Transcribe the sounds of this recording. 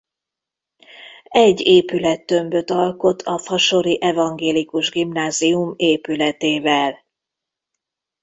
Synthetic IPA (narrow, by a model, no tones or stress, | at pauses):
ɛɟːeːpylɛt̪ːø̞mbø̞t̪ɒlko̞t̪ʰɒfɒʃoɾiʔɛvɒŋɡeːlikuʒɡimnaːziumeːpylɛt̪eːvɛl